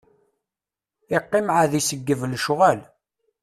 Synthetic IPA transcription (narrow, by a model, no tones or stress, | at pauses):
ɪqːɪmʕaðisəɡːəvlʃʁæl